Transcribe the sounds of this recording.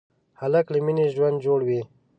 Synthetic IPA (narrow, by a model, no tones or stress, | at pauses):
halakliminiʒwand̪d͡ʒoːɽwi